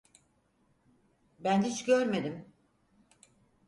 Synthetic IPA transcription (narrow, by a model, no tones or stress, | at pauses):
bænit͡ʃɟøɾme̞d̪im